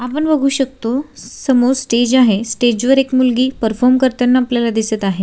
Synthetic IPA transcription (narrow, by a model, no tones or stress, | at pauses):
apəɳʋəɡʱuːɕək̚t̪osəmoɾsʈed͡ʑaɦesʈed͡ʑʋəɾekmulɡiːpəɾfɔɾmkəɾt̪anːaːpljalad̪isət̪aɦe